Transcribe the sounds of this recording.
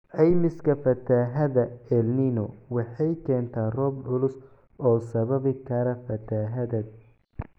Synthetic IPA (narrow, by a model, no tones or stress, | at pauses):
ʕɛjmɪskʰɐfɐt̪ʰaːɦɐðɐɛlninɔwɑħɑjkʰɛːnt̪ʰaːrɔːbʕʊlʊs | ɔːsɐβɐβɪkʰɐɾɐfɐt̪ʰaːɦɐðɐd̪̚